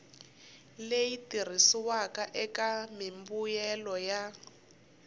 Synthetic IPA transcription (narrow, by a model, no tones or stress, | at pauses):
lejitir̤isiwakaʔɛkamimbujɛlɔja